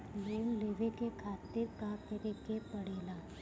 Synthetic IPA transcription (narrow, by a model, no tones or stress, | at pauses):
meːmleːʋekekʰaːt̪ɪɾkakəɾekepɐɽeːlaː